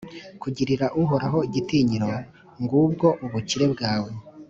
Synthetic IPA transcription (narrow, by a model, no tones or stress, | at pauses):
kuɟiɾiɾaʔuɦoɾaɦo̞iɟitiːɲiɾo̞ | ŋɡubɡo̞ʔuβuciɾe̞bɡaːwo